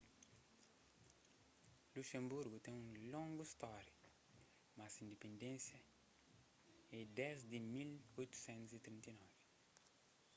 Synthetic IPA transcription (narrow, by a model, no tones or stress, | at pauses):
luʃẽmbuɾɡut̪ẽŋũlõŋɡuist̪ɔɾi | masĩnd̪epẽnd̪ẽnsjɐ | ɛ̃d̪ɛzd̪imilojt̪u̥sɛ̃nt̪uzit̪ɾĩnt̪inɔvi